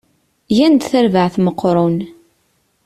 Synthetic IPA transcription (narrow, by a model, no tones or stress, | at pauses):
jænd̪θæɾvəʕθməqːɾˤʊn